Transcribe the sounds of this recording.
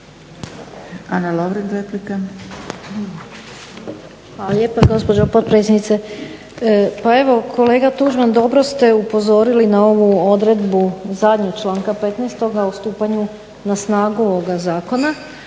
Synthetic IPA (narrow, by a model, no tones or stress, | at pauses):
analoʋɾinɾeplika | xʋaːlaljeːpaɡo̞spod͡ʒopot̪̚pɾet̪sjednit̪se | pae̞ʋo̞kʰo̞le̞ːɡat̪uʒmand̪o̞bɾo̞st̪e̞upo̞zo̞ɾilinao̞ʋuo̞d̪ɾe̞d̪buzad̪ɲoɡt͡ʃlˠaːŋkape̞t̪nɛst̪o̞ɡaust̪uːpaɲu | nasnaːɡuoʋoɡazaːko̞na